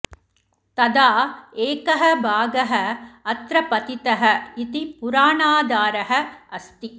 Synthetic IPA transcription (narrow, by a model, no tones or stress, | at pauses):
t̪ɐd̪aːeːkɐɦɐbʱaːɡɐɦɐɐt̪ɾɐpɐt̪it̪ɐɦɐit̪ipuɾaːɳaːd̪aːɾɐɦɐɐst̪i